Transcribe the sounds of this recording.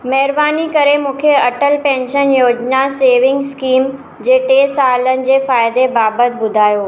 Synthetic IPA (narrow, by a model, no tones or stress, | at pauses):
mɐɦɪɾbaːnikɐɾemũːkʰeɐʈəlpɛ̃ːnʃənjoːd͡ʑnaseːʋɪ̃ŋɡskiːm | d͡ʑeːʈeːsaːlənɪ̆d͡ʑeːfaːɪd̪ebaːbət̪ʰbʊd̪ʱaːjoː